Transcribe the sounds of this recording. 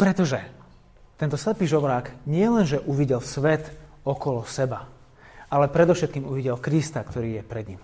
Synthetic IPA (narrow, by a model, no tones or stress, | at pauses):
pɾɛt̪ɔʒɛ | t̪ɛnt̪ɔslɛpiːʒɔʋɾaːɡɲɪɛlɛnʒɛʔuʋiɟɛlsʋɛt̪ | ɔkɔlɔsɛba | alɛpɾɛd̪ɔʊʃɛt̪̚kiːmuʋiɟɛlkɾist̪akt̪ɔɾiːjɛpɾɛd̪ɲim